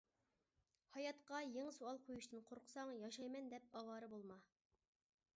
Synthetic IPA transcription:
hɑjɑt̪qɑjeŋsuɑlˠqʰojuʃt̪ʰɨnqʰoɾqʰʊ̥sɑŋjɑʃɑjmɛnd̪ɛp̚ɑwɑːɾɨbolˠmɑ

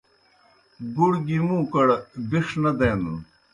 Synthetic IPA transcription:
ɡuɽɡimũːkɐɽbiʂnɐd̪eːnṵn

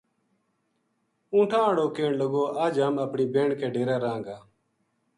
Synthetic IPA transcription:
ũːʈʰãːəɽoːkeːɳləɡoːʔaːd͡ʒəːməpɳiːbeːɳkeːɖeːɾɛːɾãːŋɡaː

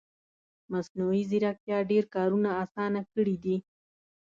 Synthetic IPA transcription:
masnuizɪɾak̚t̪jɑɖeɾkɑɾunaːsɑnakəɽid̪i

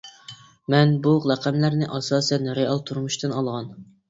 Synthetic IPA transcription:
mɛnbulɛqʰæmlæɾnɪʔɑsɑːsɛnɾeɑlˠt̪ʰuɾmuʃt̪ɨnɑlˠʁɑn

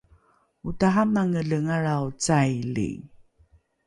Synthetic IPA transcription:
utaɦamaŋəɮəŋaɾaut͡sajlḭ

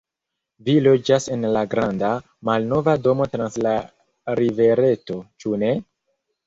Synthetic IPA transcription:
vilo̞d͡ʒase̞nlaɡɾanda | malno̞vado̞mo̞tɾansla | ɾive̞ɾe̞to̞t͡ʃune̞

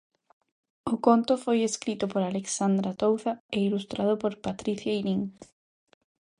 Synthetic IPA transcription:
ʊkont̪ʊfojeskɾit̪ʊpoɾaleksand̪ɾat̪owθaeilust̪ɾað̞ʊpoɾpat̪ɾiθjainiŋ

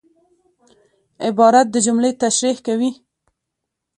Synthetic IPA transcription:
ɪbɑɾat̪̚d̪əd͡ʒumlet̪aʃɾihkawi

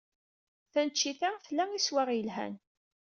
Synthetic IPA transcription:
θænt͡ʃːiθæflæiswaʁjəlɦæ̰n

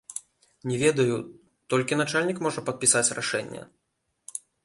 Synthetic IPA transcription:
nʲɛvʲɛd̪ɐju | t̪ɔlʲkʲin̪at͡ʂalʲnʲikmɔʐɐpɐt̪̚pʲisat͡sʲraʂɛnʲːɐ̰

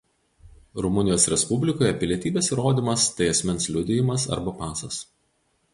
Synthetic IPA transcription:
ɾʊmʊnʲɪjoːsɾʲɛspʊbʲlʲɪkoːjɛpʲɪlʲiɛt̪ʲiːbʲeːsiɾoːd̪ʲiːmɐst̪ɐɪɐsʲmʲɛnslʲʊd̪ʲɪjɪmɐsɐ̰ɾbɐpɑːsɐs

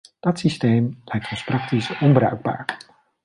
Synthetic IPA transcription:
d̥ɑtsisteːmlɛjk̚tɔnsprɑk̚tisɔnbɾœ̰ɥɡ̚ba̰ːɹ

